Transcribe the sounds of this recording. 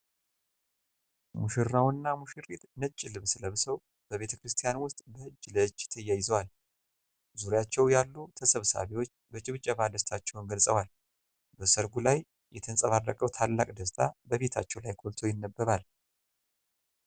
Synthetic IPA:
muʃɪɾnawnːamuʃɨɾit̪nət͡ʃʼːɪlɨβsɨləβsəw | bəβe̞t̪ʰəkɾɨst̪ʰijanwʊst̪ʼbəhɨd͡ʒːləd͡ʒːt̪ʰəjːajɪzəwal | zuɾjat͡ʃːɛwjalːut̪ʰəsəβsa̰βiwo̞t͡ʃːbət͡ʃʼɪβɨt͡ʃʼːəβad̪əst̪ʰat͡ʃːɛwnɡəlsʼəwal | bəsəɾɡulaj | jɛt̪ʰɨnsʼəβarːəkʼəwt̪ʰalːakʼd̪əst̪ʼʰabəβe̞t̪ʰa̰t͡ʃːɛwlajkʰolt̪ʰo̞jɪnːəbːəβal

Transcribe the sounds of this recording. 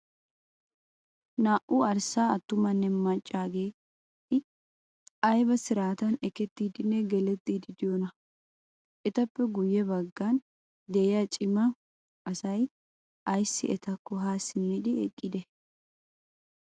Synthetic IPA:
naːʔuɐɾsaːɐt̪ːʊmɐnːɛmɐt͡ʃʼːaːɡeː | ɪ | ɐjbɐsɪɾaːt̪ɐnɛkɛt̪ːiːd̪ɪnːɛɡɛlɛt̪ːiːd̪ɪd̪ɪjonɐ | ʔɛt̪ɐpːɛɡʊjːɛbɐɡːaːn | d̪eːjɐt͡ʃʼɪmɐ | ʔɐsɐj | ʔɐjsːɪ̰ʔɛt̪ɐkːɔɦaːsːɪnːɛd̪ɪɛ̰kʼːɪd̪ɛ

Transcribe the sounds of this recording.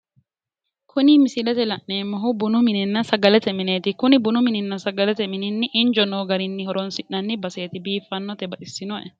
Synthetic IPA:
kʰʊnɪmɪsɪlɛt̪ɛlɐʔneːmːɔɦʊbʊnʊmɪnɪnːɐsɐɡɐlɛt̪ɛmɪneːt̪ɪkʊnɪbʊnʊmɪnɪnːɐsɐɡɐlɛt̪ɛmɪnɪnːɪʔɪnd͡ʒɔnoːɡɐɾɪnːɪhɔɾɔnsɪʔnɐnːɪbɐse̞ːt̪ɪbiːfːɐnːɔt̪ɛbɐʔɪsːɪnɔʔɛ

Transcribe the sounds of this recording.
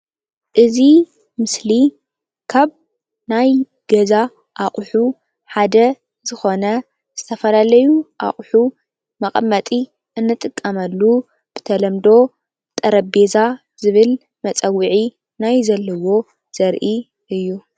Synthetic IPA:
ʔɨzi | mɨsli | kʰaβ | naj | ɡ̥ɐza | ʔaχʼħu | ħad̪ɐ | zɨxo̞nɐ | z̥ɨt̪ʰɐfɐlalɐjuʔa̰χʼħu | mɐχʼɐmːɐt̪ʼi | ɨnːɨt̪ʼɨkʼːɐmɐlːu | b̥ɨt̪ʰɐlɐmd̪o̞ | bt̪ʼɐɾɐbe̞za | zɨβɨl | mɐt͡sʼɐwiʕi | najzɐlːɐwo̞ | z̥ɐɾʔi | ɨjːu

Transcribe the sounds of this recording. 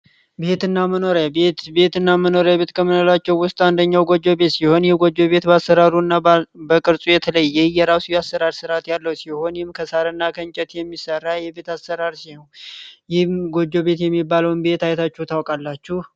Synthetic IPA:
be̞t̪ɨnːaməno̞ɾabet̪be̞t̪ɨnːaməno̞ɾaβbe̞t̪kʰəmɨnolat͡ʃːɛwwʊst̪ʼand̪əɲːawɡo̞d͡ʒːo̞be̞t̪siho̞njɪhɡo̞d͡ʒːo̞βe̞t̪bəasːəɾaɾuɨnːabəkʼɨɾsʼujɛt̪ʰələjːɛjɛɾawsijasːəɾaɾsɨɾat̪jalːəwsiho̞njɪmkʰəsaɾənːakʰənt͡ʃʼɛt̪jɛmːisərːajɛbe̞t̪asːəɾaɾsihonjɪhmɡo̞d͡ʒːo̞βe̞t̪jɛmːibːaləwnbe̞t̪ajt̪ʰat͡ʃːɛt̪ʰawkʼalːat͡ʃːuh

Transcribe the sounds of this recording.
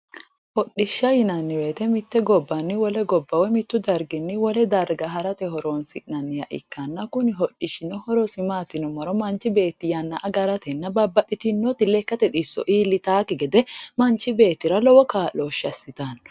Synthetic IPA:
hɔɗɪʃːɐjɪnɐnːɪwe̞ːt̪ɛmɪt̪ːɛɡɔbːɐnːɪwɔlɛɡɔbːɐwɛmɪt̪ːʊd̪ɐɾɡɪnːɪwɔlɛd̪ɐɾɡɐɦɐɾɐt̪ɛɦɔɾoːnsɪʔnɐnːɪjɐʔɪ̰kːɐnːɐkʊnɪɦɔᶑːɪʃɪnɔhɔɾɔsɪmaːt̪ːɪnɔmɐɾɔmɐnt͡ʃɪbe̞ːt̪ːɪjɐnːɐʔɐɡɐɾɐt̪ɛnːɐbɐbːɐt̪ʼːɪt̪ɪnːɔt̪ːɪlɛkːɐt̪ɛᶑ̪ʼɪsːɔ̰ʔiːlːɪt̪aːkɛɡɛd̪ɛmɐnt͡ʃɪbe̞ːt̪ːɪɾɐlɔwɔkaːloːʃɐsːɪt̪ɐn

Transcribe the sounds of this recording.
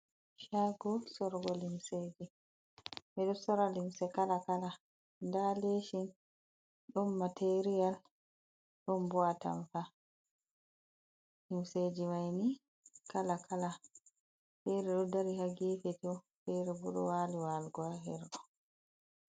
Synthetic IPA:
ʃaɡɔsɔɾɡɔlimseːd͡ʒi | bɛɗɔsɔɾalimsɛkalakala | ndaleʃin | ɗɔnmatʰeɾijal | ɗɔnbɔata̰ɱfa | limsed͡ʒimajni | kalakʰala | fɛɾɛɗɔdaɾihaɡiːfɛtɔfɛɾɛbuɗɔ̰waːliwalɡɔaɦɛɾɗɔ

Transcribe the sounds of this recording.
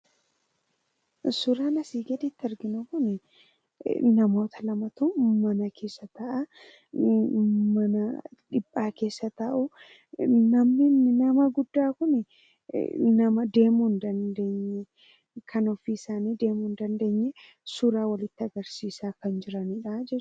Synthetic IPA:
sʊɾaːnɐsiːɡɐd̪it̪ːɐɾɡɪnukʊnɛ | nɐmo̞ːt̪ɐlɐmɐt̪umɐnɐkʰe̞ːsːɐt̪ɐʔɐ | mɐnɐᶑɪbʼːaːke̞ːsːɐt̪ɐʔʊ | nɐmnɪnnɐmɐɡʊd̪ːaːkʊnɛ | nɐmɐd̪e̞ːmuːnd̪ɐnd̪e̞ːɲːɛ | kʰɐnɔfiːsaːniːd̪e̞ːmuːnd̪ɐnd̪e̞ːɲːɛ | sʊɾaːwɐlɪt̪ːɪɐɡɐɾsiːsaːkɐnd͡ʒɪɾɐniːᶑɐd͡ʒɛ

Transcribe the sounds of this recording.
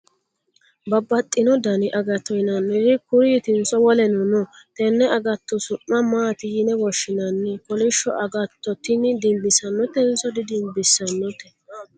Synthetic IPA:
bɐbːɐt̪ʼːɪnɔd̪ɐnɪʔɐɡɐt̪ːɔjnɐnːɛdɪkʊɾit̪ɪnsɔwɔlɛnʊnɔ | t̪ɛnːɛɐɡɐt̪ːɔsʊʔːɐmaːt̪ɪjɪnɛwɔʃːɪnɐnːɛkɔlɪʃːɔʔɐɡɐt̪ːɔt̪ːɪnɪd̪ɪmbɪsɐnːɔt̪ːɛnsɔd̪ɪd̪ɪmbɪsːɐnːɔt̪ːɛ̥

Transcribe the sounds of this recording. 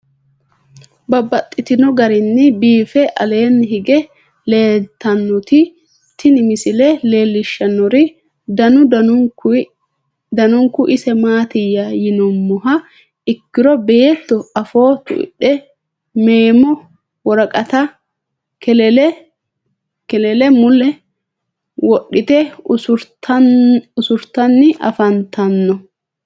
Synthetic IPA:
bɐbːɐt̪ʼːɪt̪ɪnɔɡɐɾɪnːɪbiːfɛʔɐ̰le̞ːnːɦɪɡɛ | leːt̪ːɐnːɔt̪ɪ | t̪ɪnɪmɪsɪlɛle̞ːlːɪʃːɐnːɔɾɪ | d̪ɐnʊ | d̪ɐnɔŋkːʊʔɪsɛmaːt̪ɪjːɐjɪnɔmːʊɦɐ | ɪkːɪɾɔbe̞ːt̪ːɔɐfo̞ːt̪ʊ̰ɪ̰ɗːɛ | meːmɔ | wɔɾɐkʼɐt̪ɐ | kɛɛɛ | kɛlɛlɛmʊlɛ | wɔɗːɪt̪ɛɾ | ʊsʊɾt̪ɐnːɪʔɐ̰fɐnt̪ɐnːɔ

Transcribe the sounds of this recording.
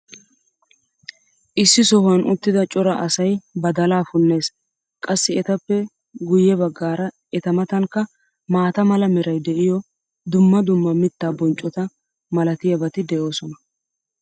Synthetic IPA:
ʔɪsːɪsɔhɐnʔʊt̪ːɪd̪ɐt͡ʃʼɔɾɐʔɐsɐjbɐd̪ɐlaːfʊnːe̞ːs | kʼɐsːɪɛt̪ɐpːɛ | ɡʊjːɛbɐɡːaːɾɐ | ɛt̪ɐmɐt̪ɐŋkːɐ | maːt̪ɐmɐlɐmɛɾɐjd̪ɛʔɪjɔ | d̪ʊmːɐd̪ʊmːɐmɪt̪ːaːbɔnt͡ʃʼːɔt̪ɐ | mɐlɐt̪ɪjɐbɐt̪ɪd̪ɛʔo̞ːsɔnɐ

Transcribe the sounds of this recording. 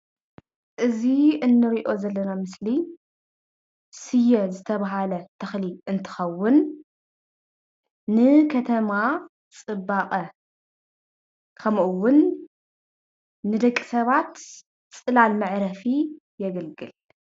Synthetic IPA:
ʔɨziɨnːɨɾiʔo̞zɐlːɐnamɨsli | sɨjːɛzɨt̪ʰɐβaɦalɐt̪ʰɐxliʔɨnt̪ʰɨ̥xɐwːʊn | ɨkʰɐt̪ʰɐma | t͡sʼɨbːaqʼɐ | kʰɐmʔɨwːʊn | nɨd̪ɐkʼːisɐβat̪ | t͡sʼɨlalmɨʕɾɐfi | jɛɡɐlɡɨl

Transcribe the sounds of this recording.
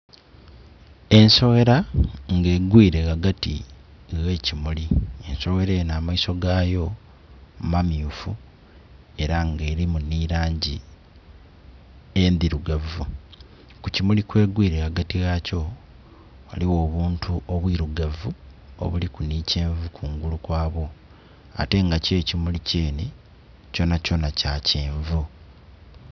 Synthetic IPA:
e̞nso̞ɣe̞ɾaŋɡe̞ɡwiːɾe̞ɣaɡatḭ | ɣe̞ːcimulie̞nso̞ɣeɾenaːmaiso̞ɡaːjo̞ | mamjuːfu | e̞ɾaŋɡe̞ːɾimuniɾaːɲɟi | endiɾuɡavu | kucimulikwe̞ːɡwiːɾeaɡatiɣaco̞ | wa̰liwo̞ːβuːntʰuʔoβwiːɾuɡavuo̰βulikuniːceːɱvukʰuŋɡulukwaːβo̞ | a̰te̞ŋɡace̞ːcimuliceːni | co̞naco̞nacaceːɱvu

